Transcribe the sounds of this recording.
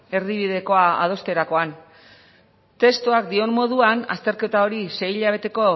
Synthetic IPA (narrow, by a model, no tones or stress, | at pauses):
e̞ɾðiβ̞ið̞e̞ko̞aa̰ð̞o̞st̪e̞ɾako̞an | t̪e̞st̪uakd̪io̞mːo̞ð̞uana̰st̪e̞ɾke̞t̪ao̞ɾise̞jʎaβ̞e̞t̪e̞ko̞